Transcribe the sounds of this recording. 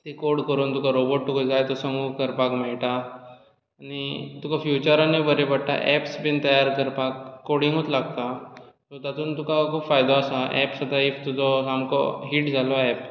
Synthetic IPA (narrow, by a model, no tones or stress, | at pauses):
t̪ikoɾɽkəɾuːnt̪ukaɾoboʈ̚t̪ukɔd͡zajt̪ɔsəmukəɾpakmeɭʈaː | ñit̪ukʰafjut͡ɕəɾanːebəɾebəɽʈ̪a̰ʔɛpsbint̪əjaɾkəɾpakːoɽĩŋɡut̪laɡ̚t̪a | sət̪at̪uːnt̪ukakʰuːpfajd̪ɔəsaʔɛpsəd̪aift̪ud͡zɔamkɔ̰ɦiːʈd͡zʱalɔɛp̚